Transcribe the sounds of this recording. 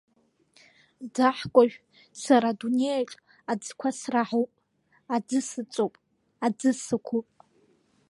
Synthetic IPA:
d͡zaħkʷʼaʒᶣ | saɾadunejaʈ͡ʂʼ | ad͡zkʷʰasraħopʼ | ad͡zɨsɨt͡sʼowpʼ | ad͡zɨsɨkʷʰupʼ

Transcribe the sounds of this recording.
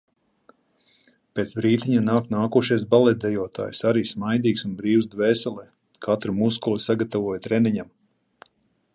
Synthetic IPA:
pʲeːt̪sbɾiːt̪iɲanaːknaːkuɔʃijs̬balˠɛt̪̚d̪ɛjuɔt̪a̰ːjsaɾiːsmajd̪iːksunbɾiːwzd̪vɛːsɛlˠɛː | kʰat̪ɾamuskulˠisaɡat̪avuɔjt̪ɾɛniɲam

